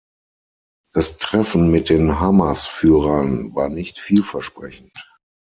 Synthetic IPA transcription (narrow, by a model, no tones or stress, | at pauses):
d̥astʁ̥ɛfn̩mɪt̚d̥eːnɦamasfyːʁɐnvaːɐnɪçtfiːlfɛɐʃpʁ̥ɛçn̩t